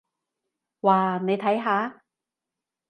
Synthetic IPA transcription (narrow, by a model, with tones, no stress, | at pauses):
waː˨˩ne˨˧jt̪ʰɐ˨˥jɦaː˨˥